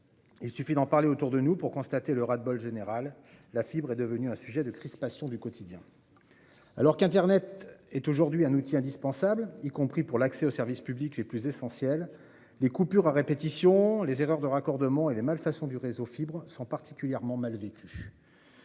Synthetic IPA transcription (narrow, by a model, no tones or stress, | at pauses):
ilsyfid̪ɑ̃paʁleot̪uʁd̪ənupuʁkɔ̃st̪at̪eləʁad̪̚bɔlʒeneʁalː | afibʁɛd̪əvənyɛ̃syʒɛd̪əkχispasjɔ̃d̪ykɔt̪ʰid̪jɛ̃ | a̰lɔʁkɛ̃t̪ɛʁnɛt̪ɛt̪oʒuʁd̪ɥiɛ̃nut̪iɛ̃d̪ispɑ̃sablikɔ̃pχipuʁlaksɛosɛʁvispyblikleplyzesɑ̃sjɛlː | ekupyʁaʁepet̪isjɔ̃lezeʁœʁd̪əʁakɔʁd̪əmɑ̃elemalfasɔ̃d̪yʁezofibʁsɔ̃paʁt̪i̥kʲyljɛʁmɑ̃malvekʲʰy